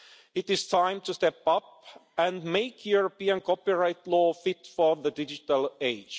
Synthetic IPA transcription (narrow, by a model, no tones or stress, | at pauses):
ɪtɪz̥tʰãɪ̃mtɨstɛpʌp̚æ̃nmeɪkʰjuɹəpiə̃nkʰɔpiɹaɪtlɔːfɪtfə˞ðədɪd͡ʒɨtəlˠeɪ̥d͡ʒ